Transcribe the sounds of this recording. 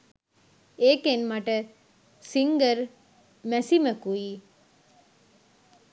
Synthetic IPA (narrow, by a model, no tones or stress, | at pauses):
eːkenmaʈə | siŋɡəɾ | mɛsiməkuiː